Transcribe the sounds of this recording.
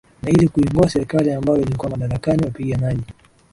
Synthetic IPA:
nailikuiŋɡuasɛɾikaliambajɔilikuwamaɗaɾakaniwapiɠamaʄi

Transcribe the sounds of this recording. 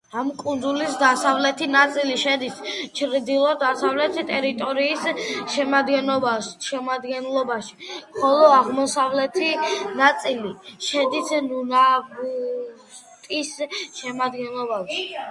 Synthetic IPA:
amkʼund̪zulisd̪asavlɛt̪ʰinat̪sʼiliʃɛd̪ist͡ʃʰɾid̪ilˠɔɾd̪asavlɛt̪ʰt̪ʼɛɾit̪ʼɔɾiːsʃɛmad̪ɡɛnɔbaʃɛmad̪ɡɛnlˠɔbaʃi̥mχɔlˠɔaʁmɔsavlɛt̪ʰinat̪sʼiliʃɛd̪isnunabu | t̪ʼisʃɛmad̪ɡɛnlˠɔbaʃi̥

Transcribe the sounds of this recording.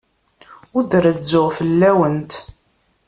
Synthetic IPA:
ʊd̪əɾəzʊʁfəlːæwənt̪

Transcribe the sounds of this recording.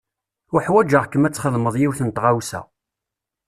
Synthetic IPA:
ʊħwæd͡ʒəʁkəmæt͡sːχəðˤməðˤjiwθənt̪ʁawsæ̰

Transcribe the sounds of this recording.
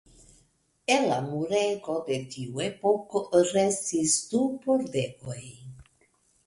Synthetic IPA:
elamuɾeɡod̪etiuepokoɾestisd̪upoɾd̪ekoj

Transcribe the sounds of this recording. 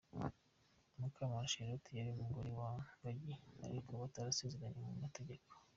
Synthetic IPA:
makʰamaʃeɾotʰijaɾiumuɡoɾewabaɟia̰ɾikʰoβataɾase̞ze̞ɾaɲemumate̞ɟe̞ko̥

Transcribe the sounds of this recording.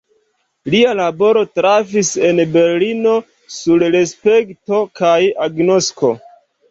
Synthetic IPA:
lialabo̞ɾo̞tɾafise̞nbe̞ɾlino̞ | suɾɾe̞spe̞kto̞kajaɡno̞sko̞

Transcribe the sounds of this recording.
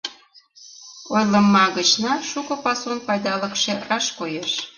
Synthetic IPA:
ojlə̆mːɑɣət͡ɕnɑʃukɤ̆pɑsonpɑjd̪ɑləkʃerɑʃkojeʃ

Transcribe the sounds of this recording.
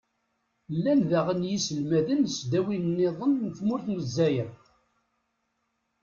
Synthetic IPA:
lːænðæʁənjisəlmæðənsd̪æwinnːeðˤənːθmʊɾθməzːæjən

